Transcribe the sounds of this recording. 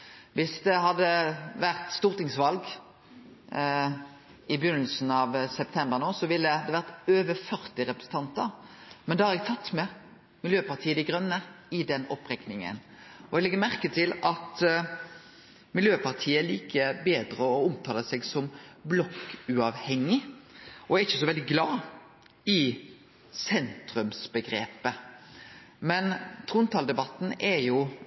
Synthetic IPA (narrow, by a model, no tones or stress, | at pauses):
ʋɪsd̪ɛɦɑd̪ːəʋæʁt̪st̪uːɾt̪ɪŋsʋɑlɡ | ɪbəjʏnəlsn̩ɑʋsɛp̚t̪ʰɛmbəʁnoːsɔʋɪlːəhɑd̪ɛʋæʁt̪øːʋəfœʁt̪ɪɾɛpɾəsn̩t̪ʰɑnt̪əɾmɛnd̪ɛhɑɾɛɡ̚t̪ʰɑt̪ːmɛ | mɪljøːpɑʁt̪ʰiːəd̪ɪɡɾœnːə | ɪd̪ɛnɔ̰pʁɛknɪŋə̰n | ɔɛɡlɛɡːəmæʁkət̪ʰɪlɑt̪ | mɪljøːpʰɑɾt̪ʰiːəæɭliːkʰəbeːd̪ɾəɔʊmt̪ʰɑːləsɛɡsɔmblɔkːʉɑʋhɛŋːɪɔæɾɪçːəsɔʋɛld̪ɪɡlɑː | ɪ | sɛnt̪ɾʉmsbəɡɾeːpə | mɛnt̪ʰɾuːnt̪ʰɑːld̪ɛbɑt̪ːn̩ɛɾjʊ